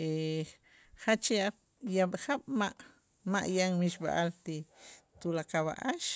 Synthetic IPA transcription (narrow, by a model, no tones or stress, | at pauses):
e | χat͡ʃia | jaɓχaɓ̥maʔ | maʔjaŋmiʃɓa̰ʔalt̪it̪ulakawa̰ʔaʃ